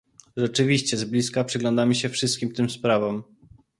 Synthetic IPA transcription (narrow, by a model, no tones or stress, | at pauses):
ʐɛt͡ʂɘvʲiɕt͡ɕɛzblʲiskapʂɘɡlɔ̃nd̪amɘɕɛfʂɨst̪kʲimt̪ɘmspɾavɔm